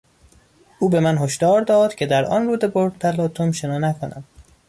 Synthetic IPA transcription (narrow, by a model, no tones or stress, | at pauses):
ʔuːbe̞mænɦoʃd̪ɒːɾd̪ɒːd̪̥cʰe̞d̪æɾɒ̰nruːd̪eboɾt̪ʰælɒːt̪ʰomʃenɒːnækʰonæ̰d̪̥